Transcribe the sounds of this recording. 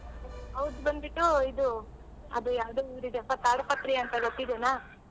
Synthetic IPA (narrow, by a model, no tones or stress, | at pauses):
ɐʋud̪bɐnd̪biʈːuid̪u | ɐ̰d̪ujaːʋd̪uiɾid̪ɛpɐt̪aːɾupɐt̪ɾiɐnt̪ɐɡot̪ːid̪ena